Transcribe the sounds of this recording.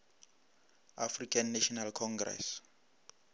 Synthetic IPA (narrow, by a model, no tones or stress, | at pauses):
afrikʰanːaʃɔnalkʰɔŋɡrɛ̰s